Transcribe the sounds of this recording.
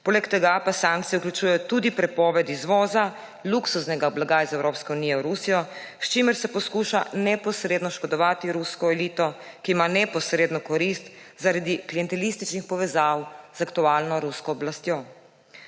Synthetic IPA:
poːlɛkt̪ɛɡapasãŋk̚t̪ijɛuklʲjut͡ʃujɛjɔt̪ud̪ipɾɛpɔːʋɛt̪izʋɔːza | luksusnɛɡablaɡajzɛwɾoːpskɛunijɛwɾusijɔ | st͡ʃimɛɾsɛpɔskuʃanɛpɔsɾed̪nɔʃkɔd̪ɔʋat̪iɾuskɔɛliːt̪ɔ | kiːmanɛpɔsɾeːd̪nɔkɔɾist̪zaɾad̪ikliɛnt̪ɛlist̪it͡ʃnixpɔʋɛzawz̥akt̪ualnɔɾuskɔːblast̪jo

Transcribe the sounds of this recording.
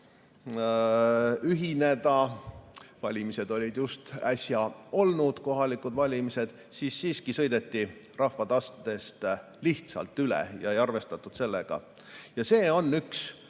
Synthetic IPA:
yɦine̞d̪ɑ | vɑlʲimise̞d̪̥o̞lʲid̪̥just̪æsʲjɑo̞lnud̪̥ko̞ɦɑlikud̪vɑlʲimised̪̥ | siːsːiːskisɤ̞jd̪̥e̞t̪ːirɑhvɑt̪ɑst̪d̪̥e̞st̪ | liht̪sɑ̰lt̪ːˑylḛjɑ̰ejɑrve̞st̪ɑt̪ːˑud̪̥se̞lːe̞ɡ̥ɑ̰ | jɑse̞ːo̞nːyks

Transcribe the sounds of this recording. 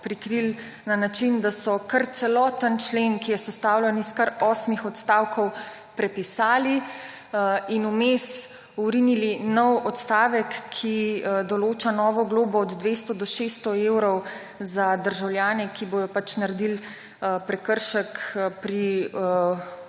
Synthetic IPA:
pɾikɾil | nanat͡ʃind̪asɔkɐɾt̪sɛlɔːt̪ənt͡ʃleːnkijɛsɛst̪aːwlʲɛniskɐɾɔːsmixɔt̪st̪aːwkɔw | pɾɛpisaːli | inumes | uɾinilinɔwɔt̪st̪aːʋəkʰːid̪ɔloːt͡ʃanɔːʋɔɡloːbɔːd̪d̪ʋest̪ɔd̪ɔʃest̪ɔeːwɾɔw | zad̪əɾʒawljaːnɛkibojɔpat͡ʃnaɾɛd̪il | pɾɛkəɾʃəkpɾi

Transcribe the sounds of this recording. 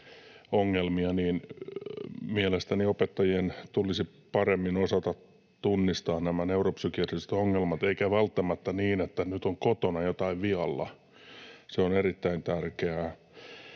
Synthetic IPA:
oŋːelmiɑniːn | mielest̪æniopet̪ːɑjient̪ulisi | pɑremːinosɑt̪ɑt̪ | t̪unːist̪ɑːnnæmæneuropsykiærise̥t̪oŋːelmɑt̪eikæʋælt̪ːæmæt̪ːæniːnet̪ːænyt̪oŋkot̪onɑjot̪ɑiʋʋiɑlːɑ̰ | seonerit̪ːæint̪ærkeæ

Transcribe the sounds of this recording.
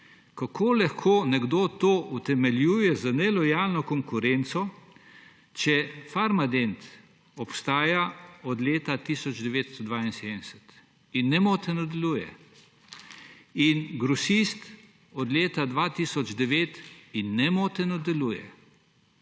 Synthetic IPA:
kakʰoːlaxkʰoːnɛɡd̪oːt̪oːʔut̪ɛmɛljuːjɛzanɛlɔjaːlnɔkɔŋkʊɾɛnt̪sɔ | t͡ʃɛfaɾmad̪ent̪ | ɔpst̪aːjaɔd̪leːt̪at̪isɔd͡ʒd̪ɛʋeːt̪st̪ɔd̪ʋaːinsed̪d̪ɛsɛt̪ | inːɛmoːt̪ɛnɔd̪ɛluːjɛ̰ | inɡɾɔsist̪ | ɔd̪leːt̪ad̪ʋat̪iːsɔd͡ʒd̪ɛʋeːt̪inːɛmoːt̪ɛnɔd̪ɛluːjɛ̰

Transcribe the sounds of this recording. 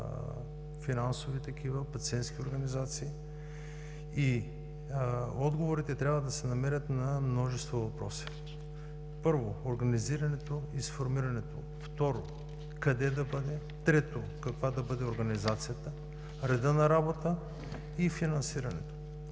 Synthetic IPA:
finansovit̪ɐkʲivəpɐt̪siɛnt̪skʲioɾɡɐnizat̪siː | i | ɔd̪ɡovoɾit̪ɛt̪ɾʲabvəd̪ɐsɛnɐmɛɾʲət̪nɐmnɔʒɛst̪vovɐpɾɔsi̥ | pɤɾvoːɾɡɐniziɾɐnɛt̪oisfoɾmiɾɐnɛt̪o | ft̪ɔɾo | kɐd̪ɛd̪ɐbəd̪ɛ | t̪ɾɛt̪o | kɐkvad̪ɐbəd̪ɛoɾɡɐnizat̪sijət̪ə | ɾɛd̪ənɐɾabot̪ə | ifinɐnsiɾɐnɛ̰t̪o̥

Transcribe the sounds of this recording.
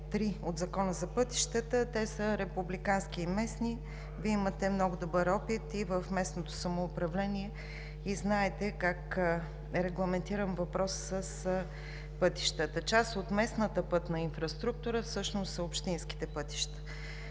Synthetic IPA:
t̪ɾiod̪zɐkɔnəzɐpɤt̪i̥ʃt̪ət̪ət̪ɛsəɾɛpublikansk̟iːmɛsni | viimət̪ɛmnɔɡʊd̪obɤɾɔpit̪ivəfmɛsnot̪osɐmoːpɾɐvlɛniɛ | iznaɛt̪ɛkak | ɛɾɛɡlˠɐmɛnt̪iɾəmvɐpɾɔssəs | pɤt̪i̥ʃt̪ət̪ət͡ʃasot̪mɛsnət̪əpɤt̪nɐinfɾɐst̪ɾuk̚t̪uɾəfsɤʃnost̪səopʃt̪inski̥t̪ɛpɤt̪i̥ʃt̪ə̥

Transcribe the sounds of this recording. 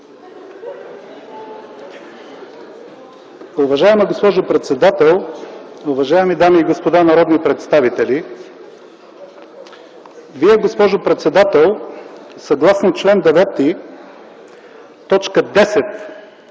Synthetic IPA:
ʊvɐʒaɛməɡospɔʒopɾɛt̪sɛd̪at̪ɛlˠ | ʊvɐʒaɛmid̪amiːɡospod̪anɐɾɔd̪nipɾɛt̪st̪avit̪ɛli | viɛɡospɔʒopɾɛt̪sɛd̪at̪ɛlˠsɐɡlˠasnot͡ʃlɛnd̪ɛvɛt̪i | t̪ɔt͡ʃkəd̪ɛsɛt̪

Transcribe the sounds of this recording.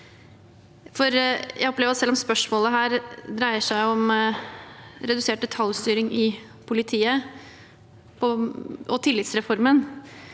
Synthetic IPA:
fɔɾjæɪɔplɛʋɾɑt̪sɛlːɔmspœʂmoːləɦæːɾd̪ɾæɪəʂæɪɔm | ɾɛd̪ʉseːʈ̚d̪ɛt̪ʰɑljst̪yːɾɪŋʔɪ | pʰʊlɪt̪ʰiːə | pʰɔʔɔt̪ʰɪlːɪt̪sɾɛfɔɾmən

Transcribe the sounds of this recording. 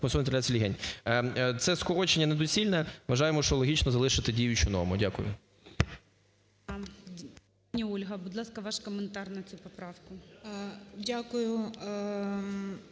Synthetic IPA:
ɔnsɔnʲt̪ɐlʲat͡sʲsʲilʲiɦɛnʲ | t̪sɛskɔɾɔt͡ʃenʲːɐned̪ɔsʲilʲnɛʋɐʒɑjemɔʃt͡ʃɔlˠɔɦʲit͡ʃnɔzɐlˠɪʃɪt̪ɪdʲijʊt͡ʃʊnɔ̰mʊdʲakʊ̰jʊ̰ | panʲiulʲɦɐbʊd̪lˠɑskɐʋɑʃkɔment̪ɑrnɐt͡sʲupɔpɾɑwkʊ | dʲakʊjʊ

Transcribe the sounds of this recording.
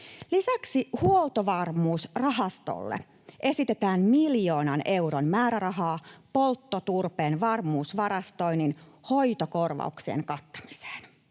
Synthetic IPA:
lisæksihuolt̪oʋɑrmuːsrɑɦɑst̪o̰lːḛ | ʔesit̪e̞t̪æːmmiljo̞ːnɑne̞uɾonmæːɾæɾɑɦɑːpo̞lt̪ːot̪urpeːnʋɑrmuːsʋɑɾɑst̪o̞ininho̞jt̪okorʋɑ̰uksiḛŋkɑt̪ːɑ̥mi̥se̥ːn

